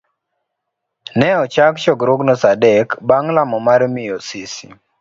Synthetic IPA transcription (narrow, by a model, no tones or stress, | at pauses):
nɛɔt͡ʃakt͡ʃɔɡɾuɡnɔsadɛkbaŋlamɔmaɾmɪjɔsisḭ